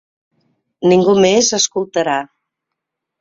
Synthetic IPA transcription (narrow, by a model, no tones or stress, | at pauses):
niŋɡumezəskulˠt̪əɾa